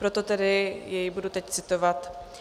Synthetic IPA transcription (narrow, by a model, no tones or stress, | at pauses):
pɾot̪ot̪ɛdɪjɛjbudut̪ɛct͡sɪt̪ovat̪